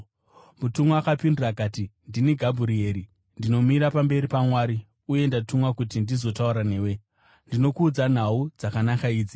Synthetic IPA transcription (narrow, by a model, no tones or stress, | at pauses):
mutumuakapindurakaːtindiniɡʱabʱuɾie̞ɾi | ndino̞miɾapambe̞ɾipamwaːɾi | uje̞ndatumwakutindizo̞tauɾane̞ːwe̞ | ndino̞kuːd͡zan̤aud͡zakanakaiːd͡zi